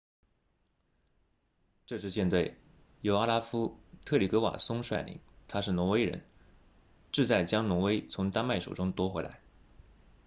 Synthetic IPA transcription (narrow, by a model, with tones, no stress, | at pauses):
ʈ͡ʂɤ˥˧ʂ̬ɻ̩˥˧t͡ɕjɛ˥˧nt̪we˥˩ɪ | jo˧˥ʊa˥la˥fu˥t̪ʰɤ˥˩li˨˥˩kɤ˧˥wa̰˨˩sʊ˥ŋʂwa˥˩ɪlḭ˧˥˦ŋt̪ʰa˥ʂɻ̩˥˩nɔ˧˥we˥ɪɻə̰˧˥n | ʈ͡ʂɻ̩˥˧t͡sa˥˩ɪt͡ɕjɑ˥ŋnʊ˧˥ŋwe˥ɪt͡sʰʊ˧˥ŋt̪a˥nma˥˩ɪʂo̰˨˩ʊʈ͡ʂʊ˥ŋt̪wɔ˥xwe˧˥ɪla̰˧˥ɪ